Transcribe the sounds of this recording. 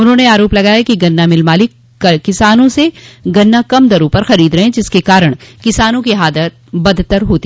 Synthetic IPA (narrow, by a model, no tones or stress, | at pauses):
ʊnɦõːneaːɾoːplɐɡaːjakiɡɐnːamɪlmaːlɪkː | ɐkɪsaːnõseɡɐnːakɐmd̪ɐɾõpɐɾxɐɾiːd̪ɾɐɦẽd͡ʒɪskekaːɾəɽ̃kɪsaːnõkiɦaːd̪ət̪̚bɐd̪ʱt̪əɾɦoːt̪i